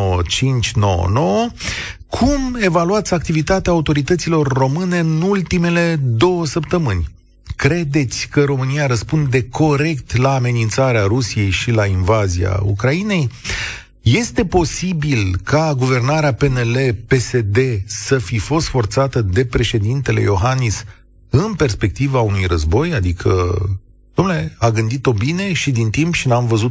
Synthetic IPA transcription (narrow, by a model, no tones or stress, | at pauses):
ət͡ʃint͡ʃʲnoə̰no̞wə | kʰume̞valuat̪sʲakt̪ivit̪at̪eaːut̪o̞ɾit̪ət̪silo̞rːo̞mɨne̞ɨnult̪ime̞le̞d̪o̞wəsəpt̪əmɨnʲ | kɾe̞d̪e̞t̪sʲkəɾo̞mɨnijaɾəspund̪e̞kʰo̞ɾe̞kt̪laːme̞nint̪saɾeaɾusije̞jʃilainvazia̰ṵkɾaine̞j | je̞st̪e̞po̞sibilkaɡuve̞rnaɾeape̞nele̞pe̞se̞d̪e̞səfifo̞st̪fo̞rt̪sat̪əd̪e̞pɾe̞ʃe̞d̪int̪e̞le̞̰jo̞ɦanis | ɨnpe̞rspe̞k̚t̪ivaunujrəzbo̞jad̪ikʰə̰ | d̪̥omnule̞aɡɨnd̪it̪o̞bine̞ʃid̪int̪impʃinamvəzu